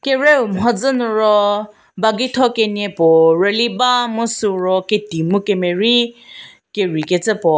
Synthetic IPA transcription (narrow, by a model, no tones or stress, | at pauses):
keɾeum̩ɦɔd͡zʊnʊɾɔ | baɡɪtʰɔkenepɔɾelibamʊsuɾɔketimukemeɾi | keɾiketɪpɔ